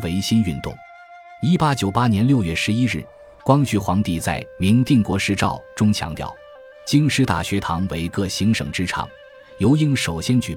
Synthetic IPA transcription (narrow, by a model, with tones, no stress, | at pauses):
we˧˥ɪɕi˥ny˥˧nt̪ʊ̰˥˩ŋ | i˥pa˥t͡ɕjo˨˩ʊpa˥njɛ˧˥nljo˥˧ʊɥɛ˥˩ʂɻ̩˧˥i˥ɻɻ̩˥˩ | kwɑ˥ŋt͡ɕy˧˥˩xwɑ˧˥ŋt̪i˥˩t͡sa̰˥˩ɪmi˧˥ŋt̪i˥˩ŋkwɔ˧˥ʂɻ̩˥ʈ͡ʂɑ̰˥˩ʊʈ͡ʂʊ˥ŋt͡ɕʰjɑ̰˧˥ŋt̪jɑ̰˥˩ʊ | t͡ɕi˥ŋʂɻ̩˧˥t̪a̰˨˩ɕɥɛ˧˥t̪ʰɑ˧˥ŋwe˧˥ɪkɤ˥˩ɕi˧˥ŋʂɤ̰˨˩ŋʈ͡ʂɻ̩˥ʈ͡ʂʰɑ̰˨˩˦ŋ | jo˧˥ʊi˥˩ŋʂo˨˩ʊɕjɛ˥nt͡ɕy˨˩